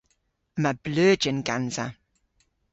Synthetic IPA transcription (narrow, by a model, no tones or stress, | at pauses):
məblɜːd͡ʒənɡanza̰